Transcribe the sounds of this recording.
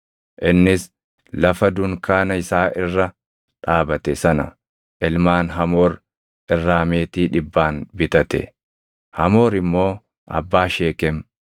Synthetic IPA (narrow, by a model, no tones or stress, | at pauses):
ʔɪnːɪs | lɐfɐd̪ʊŋkaːnɐɪsaːʔɪrːɐ | ᶑaːbɐt̪ɛsɐnɐ̰ | ʔɪlmaːnɦɐmoːɾ | ʔɪrːaːmeːt̪iːᶑɪbːaːnbɪt̪ɐt̪ɛ̰ | hɐmo̞ːɾɪmːo̞ː | ʔɐ̰bːaːʃeːkɛm